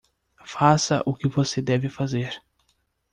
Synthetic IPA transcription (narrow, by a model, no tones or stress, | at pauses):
fasɐ̰ʔʊkɪvosed̪ɛvɪfazeɾ